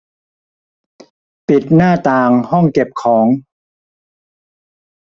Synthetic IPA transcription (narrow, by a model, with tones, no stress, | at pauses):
pi˨˩t̪̚naː˥˩t̪aː˧ŋhɔ˥˩ŋke˨˩p̚kʰɔː˩˦ŋ